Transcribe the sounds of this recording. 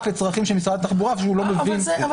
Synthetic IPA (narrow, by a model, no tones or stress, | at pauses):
fet͡sʁaχimʃemisʁad̪at̪aχbuʁaefʃuulo̞mevin